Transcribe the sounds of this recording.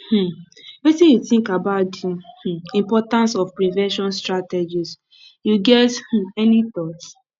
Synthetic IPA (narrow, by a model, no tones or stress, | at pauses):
h̩ | wetĩjuθĩŋkabaʊtuh̩ĩmpɔtãnsɔfpɹivɛ̃nʃɔ̃nstɹatɛd͡ʒis | juɡɛth̩ɛnit̪ɔt